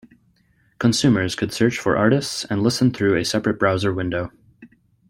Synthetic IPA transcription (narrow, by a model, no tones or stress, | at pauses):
kʰə̃nsʉmə˞z̥kʰɨd̥sɜ˞t͡ʃfə̰˞ʔɑɹɾɨstsɨ̃nlɪsnθɹʉɨsɛpɹɨt̚b̥ɹaʊzə˞wɪ̃ndoʊ